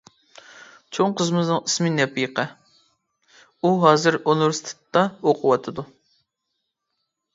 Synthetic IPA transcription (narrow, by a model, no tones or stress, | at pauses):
t͡ʃʰoŋqʰəzmɨznɨŋismɪnɛpːɪjəqʰə | uɦɑːzɨɾonuɾst̪ʰɨ̥t̪ːɑoqʰʊwɑt̪ʰɨd̪u